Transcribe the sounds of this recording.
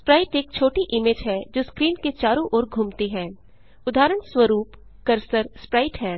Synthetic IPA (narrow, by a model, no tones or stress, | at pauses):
spɾaːɪʈeːk̚t͡ʃʰoːʈiʔɪmeːd͡ʒɦɛd͡ʒoːskɾiːnket͡ʃaːɾõʔɔːɾɡʱuːmt̪eɦɛ̃ː | ʊd̪ʱaːɾəɳswəɾuːp | kɐɾsəɾspɾaːɪʈɦɛː